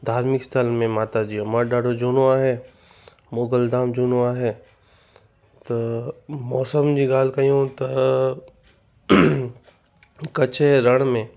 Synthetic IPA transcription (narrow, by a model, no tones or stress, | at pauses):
d̪ʱaːɾmɪkst̪ʰəlmẽmaːt̪ad͡ʑijõmɐɖaːɖod͡ʑuːnoaːɦe | moːɡəld̪aːmd͡ʒuːnoaːɦeː | t̪ɐmɔːsəmd͡ʑiːɡaːl̤kɐjõt̪ɐ | kɐt͡ʃʰeɾɐɽ̃mẽː